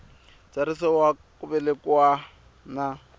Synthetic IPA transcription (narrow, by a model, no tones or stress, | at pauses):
t͡saɾisɔwa | kʼʊbɛlɪkwa | na